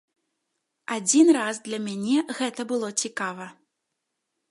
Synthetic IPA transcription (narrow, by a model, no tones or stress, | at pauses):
ad͡zʲinrazd̪lʲɐmʲanʲɛɣɛt̪ɐbɨlˠɔt͡sʲikavɐ